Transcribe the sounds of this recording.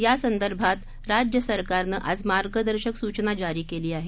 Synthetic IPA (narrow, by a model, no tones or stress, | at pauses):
jasənd̪əɾbʱat̪ | ɾad͡ʑjəsəɾkaɾnəʔad͡zmaɾɡəd̪əɾɕəksut͡ɕnad͡ʑaɾiːkeliːaɦe